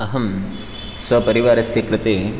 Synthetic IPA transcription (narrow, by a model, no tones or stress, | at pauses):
ɐɦɐm | sʋɐpɐɾiʋaːɾɐsjikɾɪt̪eː